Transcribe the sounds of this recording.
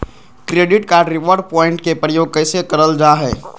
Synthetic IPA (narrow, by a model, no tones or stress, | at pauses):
kɾeːɖɪʈkaːɾɖɾɪʋəɾɖ̚pɔːɪ̃ɳʈ̚kepɾəjoːɡ̚kəɪsekəɾəld͡ʒaːɦɛː